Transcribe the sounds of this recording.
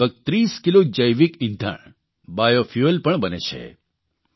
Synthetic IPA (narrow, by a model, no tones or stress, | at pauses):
əɡ̚t̪ɾiskilod͡ʒəjʋikɪ̃nd̪ʱa̰ɳ | bajofjuəlpəɳbənḛt͡ʃʰḛ